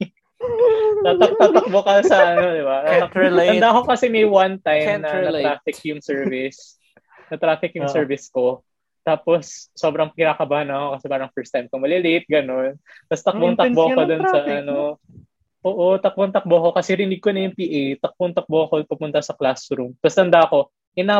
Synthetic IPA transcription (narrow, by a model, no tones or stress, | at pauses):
t̪at̪ɐk̚t̪at̪ɐk̚bokɐsɐʔɐnod̪ɪbaɐɐnd̪akokɐsɛmɛjwant̪ajmnɐɐɾaːfɪkjʊŋsɛɹvɪs | nɐt̪ɾaːfɪkjʊsɛɹvɪsko̞ | t̪aːposːobɾɐŋkɪnaːkɐbahanɐkokɐsɛpaːɾɐŋfɛɹst̪ajmkomɐlɪlɪt̪̚ɡɐno̞npɐst̪ɐk̚boŋt̪ɐkboɐkod̪onsɐʔɐno | ʔoːʔot̪ɐk̚boŋt̪ɐk̚boɐko̞kɐsɛɾɪnɪɡ̚konɐjʊŋpiːʔejt̪ɐk̚boŋt̪ɐk̚boɐkopʊmʊnt̪ɐsɐklast̪ɾumpɐsnɐnd̪ɐko̞ | ʔɪna